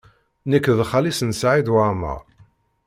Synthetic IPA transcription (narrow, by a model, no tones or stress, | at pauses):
nəkːðχalisənsʕid̪wamə̰ʁ